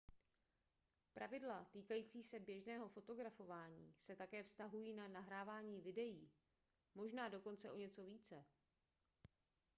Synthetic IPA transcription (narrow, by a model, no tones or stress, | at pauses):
pɾavɪdlat̪iːkajiːt͡siːsɛbjɛʒnɛːɦo̞fo̞t̪o̞ɡɾafo̞vaːɲiːsɛt̪akɛːfst̪aɦujiːnanaɦɾaːvaːɲiːvɪdɛjiː | mo̞ʒnaːdo̞ko̞nt͡sɛʔo̞ɲɛt͡so̞viːt͡sɛ